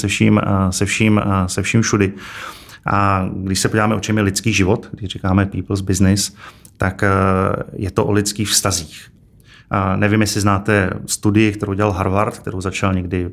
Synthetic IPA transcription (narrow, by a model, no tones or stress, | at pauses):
sɛfʃiːmsɛfʃiːmsɛfʃiːmfʃudɪ | ʔaɡdɪʃsɛpoɟivaːmɛʔo̞t͡ʃɛmjɛlɪt̪t͡skiːʒɪvo̞t̪ɡdɪʒrikaːmɛpiːpl̩zbɪznɪs | t̪ak | jɛt̪oʔo̰lɪt͡skiːxfst̪aziːx | nɛvɪmjɛsɪznaːt̪ɛst̪udɪjɪkt̪ɛɾowɟɛlalɦaɾvaɾt̪k̚t̪ɛɾowzat͡ʃalɲɛɡdɪ